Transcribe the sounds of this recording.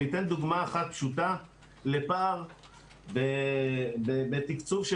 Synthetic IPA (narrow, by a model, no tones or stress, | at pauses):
it̪e̞nd̪uɡmaːχat̪̚pʃut̪a | lepaːʁ | be | bebet̪ikt͡suvʃe